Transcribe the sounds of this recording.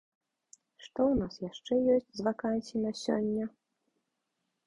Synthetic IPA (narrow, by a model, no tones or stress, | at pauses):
ʂt̪ɔwnasjaʂt͡ʂɛjɔsʲt͡sʲzvakansʲinasʲɔ̰nʲːɐ